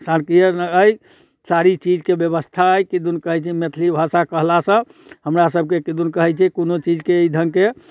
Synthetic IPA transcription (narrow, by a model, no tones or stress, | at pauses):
sankijəɾnəəj | saɾit͡ʃid͡ʒkebjəβəst̪ʰaəjkid̪unkəɦɛjt͡ʃʰɛmet̪ʰlibʱasakəɦlasə̃ | ɦəmɾasəb̚ʱkekid̪unkəɦɛt͡ʃʰɛkonot͡ʃid͡ʒkeid̪ʱəŋke